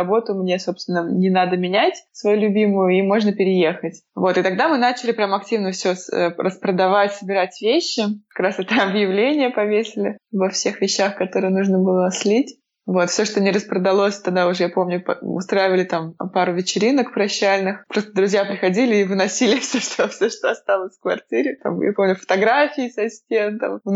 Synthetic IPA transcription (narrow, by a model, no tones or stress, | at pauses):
ɐbo̞t̪ʊmnʲe̞so̞pst̪vʲɪnːənʲɪnad̪əmʲɪnʲætʲsvɐjulʲʊbʲimʊjʊimo̞ʐnəpʲɪɾʲɪjexətʲvo̞t̪ɨt̪ɐɡ̚d̪amɨnat͡ɕɪlʲɪpɾʲamɐk̚tʲivnəfsʲosrəspɾəd̪ɐvatʲsəbʲɪɾatʲvʲeɕːɪkɐ̥kɾasɛt̪əɐbjɪvlʲenʲɪjəpɐvʲesʲɪlʲɪvɐfsʲe̞xvʲɪɕːaxkɐt̪o̞ɾɨjənuʐnəbɨlˠənɐslʲitʲ | vo̞t̪fsʲo̞ʂt̪onʲɪɾəspɾəd̪ɐlˠo̞sʲt̪ɐɡ̚d̪aʊʐɛjapo̞mnʲʊpʊ̰st̪ɾajɪvəlʲɪt̪ampaɾʊvʲɪt͡ɕɪɾʲinəkpɾɐɕːælʲnɨxpɾo̞st̪əd̪ɾʊzʲjapɾʲɪxɐdʲilʲɪːvɨnɐsʲilʲɪfsʲoʂt̪ʰofsʲoʂt̪oɐst̪alˠəsʲfkvɐrtʲiɾʲɪt̪a̰mja̰po̞mnʲʊfə̥t̪ɐɡɾafʲɪːsɐsʲtʲent̪ɐm